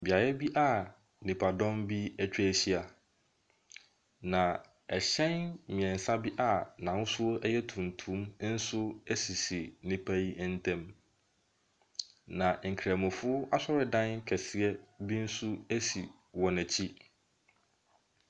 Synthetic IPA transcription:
bi˨a˨jɛ˦bi˦ʔa˦˨ | nĩ˨pʰa˨dɔ̃˦mbi˦æ˦t͡ɕᶣɛ˦˨ɕi˦a˨ | nã˨ | ɛ˨ɕɛ̃˦nmĩ˨ɛ̃˨n̩˨sa˦bi˦ʔa˨nã˨n˦sʊ˦o˦ɛ˦jɛ˦tʰũ˨n˨tʰũ˨˦mn̩˦sʊ˦æ˦si˨si˨nĩ˦pʰæ˦ji˦n̩˦tʰɛ̃˦m | nã˨ŋ̩˨kʰɾæ˨mʊ̃˨fʊ˦a˦sɔ˦ɾɪ˨dã˦n˦kʰɛ˨sɪ˨ɛ˦bi˦n̩˦sʊ˦æ˦si˨ | wɔ̃˨nɛ̃˨t͡ɕʰi˦

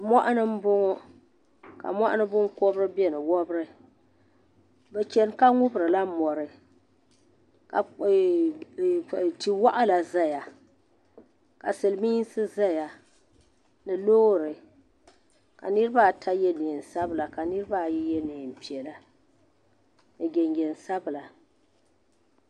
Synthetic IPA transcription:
mɔ˦ʔa˦nɨ˦m̩˦bʊ˦ŋo˦ | ka̰˨mɔ˦ʔa˦nɨ˦bʊ˦nko˦bɾɨ˦bɛ˦nɨ˨wɔ˦bɾɨ˦ | bɛ˨t͡ʃɛ˦n˦ka˦ŋʊ˦bɾɨ˨la˦mɔ˨ɾɨ˨ | ka˨ | ti˨wa˦ʔa˦la˨za˦ja˨ | ka˨sɨ˨lɨ˨˦mi˦n˦sɨ˦za˦ja˨ | nɨ˨loː˦ɾɨ˨ | ka̰˨nɨ˦ɾɨ˦ba˦tʰa˦jɛ˦ne˨n˨sa˦bɨ˨la˨ka˨nɨ˦ɾɨ˦ba˦˨jɛ˦jɛ˦ne˨m˨pi˨ɛ˨la˨ | nɨ˨ɡɛ˨ŋɡɛ˨n˨sa˦bɨ˨la˨

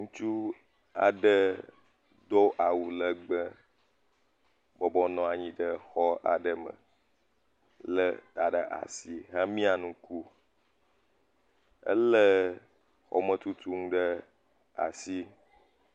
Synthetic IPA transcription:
ŋũ˦t͡ʃu˦ | a̰˨ɖə˦ | d̪o˦ʔa˨wu˨lə˦ɡ͡bə˦ | bɔ˨bɔ˦nɔ̃˨a˨ɲĩ˦ɖə˦xɔ˦a̰˨ɖə˨mə̰̃˨ | lə˦t̪a˨ɖə˦˨ʔa̰˨si˦ɦa˦mĩ˦a˨nũ˦ku˦ | ə̰˦lə˦ | xɔ̰˨mə̃˨t̪u˦t̪u˦ŋũ˦ɖə˦ | a̰˨si˦

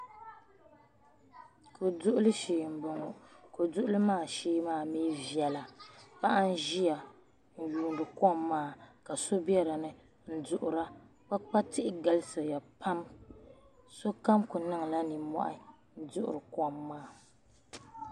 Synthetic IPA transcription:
ko˨dʊ˦ʔʊ˦lɨ˦ʃiː˨m̩˨bɨ˨ŋɔ˨ko˨dʊ˦ʔʊ˦lɨ˦maː˦˨ʃiː˦maː˦˨miː˦vi˨ɛ˨la˨pa˦ʔa˦n̩˦ʒi˦ja˨ | n̩˨juː˨n˨dɨ˨kɔ˦˨mːaː˦˨ka˨so˦bɛ˦ɾɨ˨nɨ˦˨ | n̩˦dʊ˨ʔʊ˨ɾa˦ | k͡pa˦k͡pa˦tɪ˦ʔɪ˦ɡa˦lɨ˦sɨ˨ja˨pʰa˦m | so˦ka˦mkʊ˨nɨ˦ŋ˨la˦ni˨mɔ̰˦ʔɪ̰˨ | n̩˦dʊ˦ʔʊ̰˨ɾɨ˨kɔ˦˨mːaː˦˨

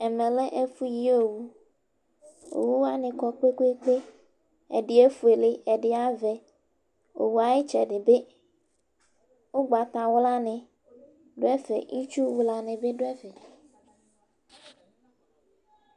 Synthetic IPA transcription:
ɛ˨mẽ˨lɛ˦ʔe˦fu˦ji˦o˨wu˦ | o̰˨wu˦wa˦nɪ̃˨kɔ˦k͡pe˦ke˦k͡pe˦ | ɛ̰˨ɖɪ˨e˦fu˨e˨le˨ɛ˨ɖɪ˨a˦vɛ˨ | o̰˨wu˨a˨je˦t͡ʃɛ˨ɖɪ˨be˦ | wo˦ɡ͡ba˨t̪a˨wʊ˦la˦nẽ˨ | ɖo˦ɛ˦fɛ̰˨ʔi˦t͡ʃu˦wu˦la˨nẽ˨be˦ɖo˦ɛ˦fɛ˨

